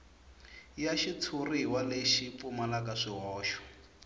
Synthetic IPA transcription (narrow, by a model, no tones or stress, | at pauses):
jaʃit͡sʰuriwaleʃipumalakaʂiɦɔːʃɔ̥